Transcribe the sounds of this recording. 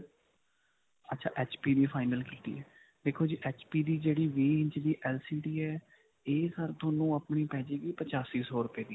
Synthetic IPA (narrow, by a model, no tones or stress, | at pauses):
ətːt͡ʃʰa̰ːʔɛːt͡ʃpiːd̪iːpʰaːɪnəlkiːt̪ḭːɛː | d̪eːkʰːoːd͡ʒiːʔɛːt͡ʃpiːd̪iːd͡ʒeːɽiːʋiːɦɪ̃ɲt͡ʃd̪iːʔɛːlsiːɖiːɛː | eːsəɾd̪oːnũːəpɳiːpɛːd͡ʒeːɡiːpət͡ʃaːsiːsoːɾʊpeːd̪iː